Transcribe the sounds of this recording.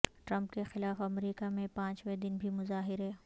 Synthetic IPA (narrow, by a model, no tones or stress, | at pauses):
ʈɾɐ̃mpkexɪlaːfɐmɾiːkamẽpãːt͡ʃʋed̪ɪnbʱimʊzaːɦɪɾɦɛː